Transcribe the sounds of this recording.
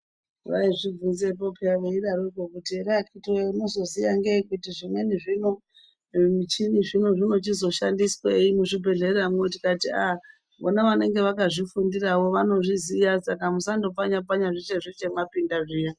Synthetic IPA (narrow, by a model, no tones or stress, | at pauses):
ʋa̰iʐib͡vunzepopiaʋeiɗaɾoikokutiɾakʰitroino̞zo̞zijaŋɡekutiʐimwe̞niʐino̞ | mut͡ʃiniʐino̞ʐino̞t͡ʃizo̞ʃandisweimuʐibʱe̞ɮe̞rramotikatia | ʋo̰naʋane̞ŋɡe̞ʋakaʐifundirawo̞ʋano̞ʐizijasakamusando̞paɲapaɲaʐit͡ʃeʐit͡ʃe̞mapindaʐijo